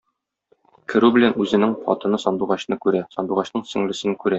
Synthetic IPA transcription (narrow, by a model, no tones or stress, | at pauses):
kʰɘ̆ɾʉbɘ̆lænʉzɘ̆nɘŋpʰɒ̰t̪ɤ̆nɤsɒnd̪uʁɑɕnɤkʉɾæsɒnd̪uʁɑɕnɤɴsɵ̆ŋlɘ̆sɘ̆nɘkʉɾæ